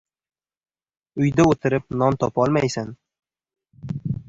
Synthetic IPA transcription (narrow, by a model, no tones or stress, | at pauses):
ʊjd̪aot̪ʰɪɾɪpnɒnt̪ʰɒpɒlˠmajsan